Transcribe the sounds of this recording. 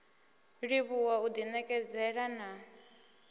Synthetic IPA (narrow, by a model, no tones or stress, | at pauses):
ɺiβuwaud̪inɛkʼɛd͡zɛɺana